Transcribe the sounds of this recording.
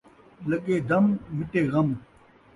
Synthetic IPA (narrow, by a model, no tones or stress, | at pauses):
lɐɡeːd̪ɐmmɪʈeːɣɐm